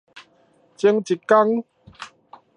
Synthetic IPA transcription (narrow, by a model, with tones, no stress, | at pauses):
t͡ɕi˧ŋt͡ɕi˨˩ka˦ŋ